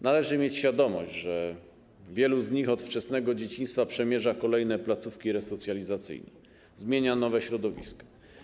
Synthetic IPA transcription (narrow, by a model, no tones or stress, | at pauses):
nalɛʐɘmʲjet͡ɕɕfʲjad̪ɔmɔ̰ʑd͡ʑʐɛ | vʲjɛluzɲixɔt̪ft͡ʂɛsnɛɡɔd͡ʑet͡ɕĩɲ̃st̪fapʂɛmʲjɛʐakɔlɛjnɛplat̪sufkʲiɾɛsɔt̪sʲjalʲizat̪sɘ̰jnɛ̰ | zmʲjeɲanɔvɛɕɾɔd̪ɔvʲḭskɔ̥